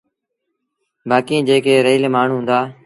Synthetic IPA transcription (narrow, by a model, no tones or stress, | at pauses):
baːkĩːd͡ʒeːkeːɾeːlemaːɳ̤uːɦʊ̃nd̪aː